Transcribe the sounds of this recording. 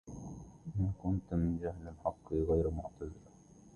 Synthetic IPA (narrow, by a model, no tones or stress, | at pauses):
ʔɪmakʊnt̪mɪnd͡ʒahlɪlħɑqːiɣajɾmʊʕt̪azɪɾ